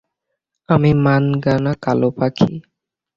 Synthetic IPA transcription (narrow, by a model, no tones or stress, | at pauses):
amimanɡanakalopakʰḭ